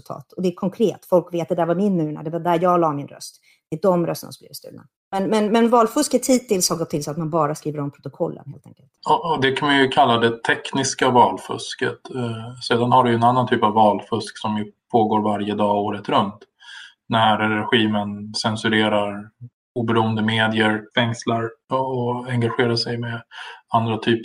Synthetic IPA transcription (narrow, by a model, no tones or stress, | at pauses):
lt̪ʰɑ̰ːt̪ʰɔd̪ɛæɾkʰɔŋkʰɾeːt̪ːfɔlkveːt̪d̪ɛd̪æːɾvaɾmɪnːʉːɳa̰d̪ɛvad̪æɾjɑːɡlɑːmɪnɾœ̰st̪ | d̪d̪ɔmɾœst̪ə̰nasɔmb̪ḭːvɪst̪ʉ̰ːna̰ | mɛnmɛnmɛnvɑːlfɵskət̪ʰhiːt̪ɪlshaɡɔt̪ʰːɪlsat̪manbɑːɾaskɾiːvəɾɔmpʰɾʊt̪ʊkʰɔlːʔə̰nheːlt̪ɛ̰ŋkəlt̪ɔɔd̪ɛkʰanmanjɵkʰalːad̪ɛt̪ʰɛknɪskavɑːlfɵ̰skət̪seːd̪anhaɖɛjɵɛnanːant̪ʰyːpavːɑːlfɵsksɔmjɵpʰoːɡoːɾvaɾjəd̪ɑːoːɾət̪ɾɵnt̪ | næɾːɛɧiːmənsɛnsɵɾeːɾaɾ | uːbɛɾuːənd̪əmeːd̪ɪəɾfɛŋslaɾɔɛŋɡaɧeːɾaʂɛjmɛand̪ɾat̪ʰyːp